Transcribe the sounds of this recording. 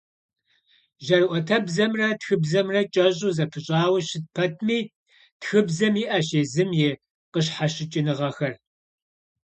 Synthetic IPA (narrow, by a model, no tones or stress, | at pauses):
ʒɐrwʷʔʷɔtʰɐbzɐmrɐtxɨbzɐmrɐt͡ʃʼɐɕʼuzɐpʰɨɕʼɑːwɐɕɪt̚pʰɐtʰmiː | txɨbzɐmiːʔɐɕeːzɨmjɛ | qəɕħaɕɪt͡ʃʼɪnɨʁɐxɐr